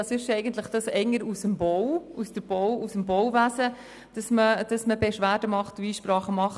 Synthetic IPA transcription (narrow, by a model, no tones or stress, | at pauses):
ɑsɪʃɛɪɡənt̪ləχd̥ɑsɛŋəɾusəmbowusd̥əb̥owusəmbɔwvæsə | d̥ɑsməd̥ɑsməbɛʃʋæːdəmɑχtiiːʃpɾɑːχəmɑχ